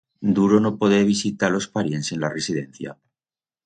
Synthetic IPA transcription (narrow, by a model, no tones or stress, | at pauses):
d̪uɾonopoð̞eβ̞isit̪alo̞spaɾjense̞nlaresið̞e̞n̟θja̰